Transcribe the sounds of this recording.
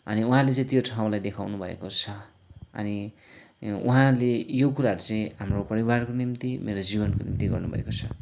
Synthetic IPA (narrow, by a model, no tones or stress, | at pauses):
ʌ̰niuɦãlet͡sʌĩt̪ijoʈʰaw̃lajd̪ekʰawnubʱʌḛkot͡sʰʌʌ̰ni | uɦãlejokuɾaɦʌɾut͡sʌĩɦamropʌɾibarkonimt̪imeɾod͡zibʌnkonḭmt̪iɡʌ̰rnubʱʌ̰ḛkot͡sʰʌ